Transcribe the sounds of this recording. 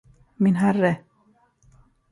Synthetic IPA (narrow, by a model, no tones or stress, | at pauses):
mɪnɦærːə